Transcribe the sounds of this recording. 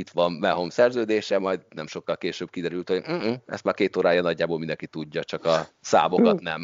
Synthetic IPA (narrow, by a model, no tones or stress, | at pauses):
it̪ʋɒnbɛɦomsɛrzøːd̪eːʃɛmɒjd̪nɛmʃo̞kːɒlkeːʃøːb̥̚kid̪ɛɾylt̪ho̞ɟ̩ɛ̰st̪maːrkeːt̪oːɾaːjɒnɒɟːaːboːlmind̪ɛŋkit̪uɟːɒt͡ʃɒkɒsa̰ːbo̞kkɒt̪nɛm